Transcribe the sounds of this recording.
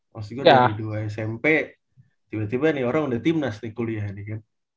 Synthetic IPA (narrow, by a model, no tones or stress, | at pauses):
ʔasɡaaiduajsɛmpɛ | t̪ibat̪ibanɪoɾaŋudaht̪imnasnɪkuliaɦnɪkan